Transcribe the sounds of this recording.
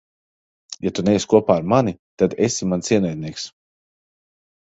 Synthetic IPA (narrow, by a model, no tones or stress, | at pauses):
jat̪unɛjːsʲkuɔpaːɾmanit̪ad̪esimant̪sʲiɛnɛjd̪̚ʲnʲiɛks